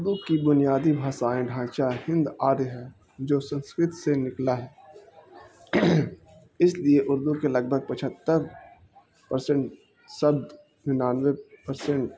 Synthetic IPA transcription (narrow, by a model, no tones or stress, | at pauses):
ʊɾd̪ukibʊnijaːd̪ibʱaːsaːẽɖʱãːt͡ʃahɪ̃nd̪aːɾɦɛː | d͡ʒoːsə̃nskɾɪt̪senɪklaɦɛː | ɪslieʔʊɾd̪ukelɐɡ̚bʱəɡ̚pət͡ʃʰət̪ːəɾ | pəɾsẽɳʈ | sɐb̚d̪ | ɦɪnaːnwepəɾsẽɳʈ